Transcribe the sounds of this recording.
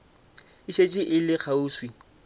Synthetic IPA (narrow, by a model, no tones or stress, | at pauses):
ɪʃet͡ʃʼɪʔɪlɪk͡xʰauːswi